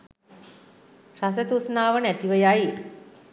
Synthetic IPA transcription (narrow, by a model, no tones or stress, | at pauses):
ʃas̬ət̪usnaːʋənæt̪iʋəjai